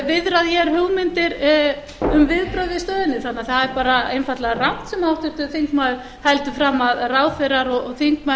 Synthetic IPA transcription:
vɪðɾaðjɛɾ̥hʏɣmɪnt̪ɪɾ | ʏmvɪðpɾœɥvɪst̪œːðɪnːɪθanːaθaðɛɾpaːɾaejnfat̪laɣran̥t̪sɛmhawht̪ʏɾ̥t̪ʏθiŋkmaðʏ | hɛlt̪ʏfɾaːmːaðraːwfɪɾaɾɔɣɔɣθiŋkma

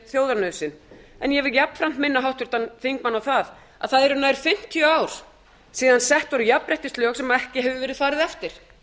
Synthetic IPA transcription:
θjoːwðaɾnœsɪnɛnjɛvɪljapn̥fɾam̥t̪mɪnːaɦawht̪ʏɾ̥t̪anθiŋkmanːawθað | a̰ðθaðɛɾʏnaːjɾ̥fɪm̥t̪ʰiœaːwɾ̥ | siːðansɛht̪vaɾjapɾɛht̪ɪst̪lɔxsɛmaɛhcɪɦɛvʏvɛːɾɪðfaːɾɪðɛft̪ɪɾ̥

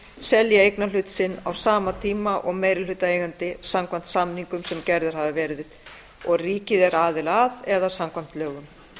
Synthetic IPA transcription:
sɛljaejknalʏːt̪sɪnːa̰wsaːmat̪ʰiːmaʔɔɣmeːjɾɪlʏːt̪aeːjɣant̪ɪsamkʰvan̥t̪samniŋkʏmsɛmcɛɾðʏɾ̥havɪvɛɾðɪð | ɔɣriːcɪðɛɾaːðɪlaðɛðasamkʰvam̥t̪lœːɣʏm

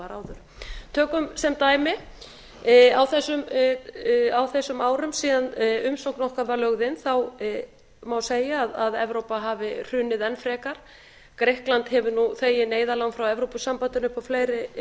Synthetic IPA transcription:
aɾawðʏɾ̥ | t̪ʰœːkʏmsɛmt̪aːjmɪ | awθɛsːʏm | awθɛsːʏmaːwɾʏmsiːðanʏmsowknɔhkavaɾlœɣðɪnθaw | mawseːjaːðaðɛ̰vɾowpaɦavɪr̥ʏːnɪðɛnfɾɛːkaɾ̥ | kɾehklant̪hɛvʏnuθeːjɪneːjðalawnfɾawɛvɾowpʏsampant̪ʏnʏhpawfleːjɾɪ

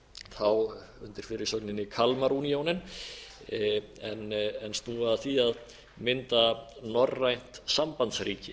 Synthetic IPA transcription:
θaw | ʏnt̪ɪɾ̥fɪɾɪɾsœknɪnɪkʰalmaɾuːnijownɪn | ɛnɛnst̪nuːvaɾðaθiað | mɪnt̪anɔrːajn̥t̪sampant̪sɾiːcɪ

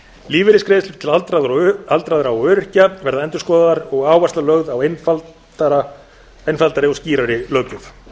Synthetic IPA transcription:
liːvɪɾɪskɾɪːðɪslʏ̥st̪ʰɪlt̪ɾaðalt̪ɾaðʏɾawœːɾɪr̥cavɛɾðaɛnt̪ʏ̥skɔðaðaɾɔɣaːwvast̪alœɣðawnfal | aɾa | ejnfalt̪aɾɪɔsciːɾaɾɪlœːcʏf

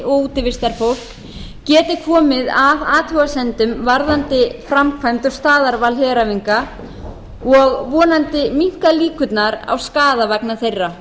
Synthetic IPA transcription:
ʔouːt̪ɪvɪst̪aɾ̥fowl̥k | cɛːt̪ɪkʰɔːmɪðavaːt̪vʏɣasɛnt̪ʏmvaɾðant̪ɪfɾamkʰvajmt̪ʏ̥st̪aːðaɾvalɦɛːɾaviŋka | ɔɣvɔːnant̪ɪmiŋ̥kaliːkʏt̪naɾa̰wskaːðavaknaθejrːa

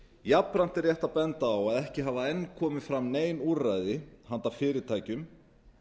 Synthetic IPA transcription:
japːɾan̥t̪ɛrjɛht̪apɛnt̪aːwaðɛhcɪɦaːvaɛnːkʰɔːmɪfɾamːneːjnurajðɪhant̪afɪːɾɪt̪ʰaːjcʏm

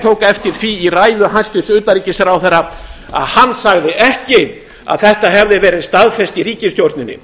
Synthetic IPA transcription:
t̪ʰowkaɛft̪ɪɾ̥θviːraːjðʏhast̪ɪsʏːt̪aɾiːcɪsɛɾawθɛɾa | a̰ðhanːsaɣðɪʔɛhcɪ | a̰ðθɛht̪aɦɛvðɪvɛːɾɪst̪aðfɛst̪iɾiːcɪst̪jowɾt̪nɪnːɪ̰

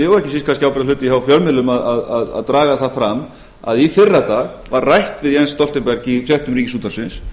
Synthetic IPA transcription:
ɪɣaɾɛhcɪsiskʰanscɪawpɾðalʏːt̪ɪjɛhafjœlmɪlʏmaðaðaða̰ðt̪ɾaːɣaθaðfɾam | a̰ðifɪrːat̪aːɣ | varrːajht̪vɪðiɛnst̪ɔlt̪ɪmpɛɾcifjɛht̪ʏmɾiːcɪsuːt̪aɾsɪns

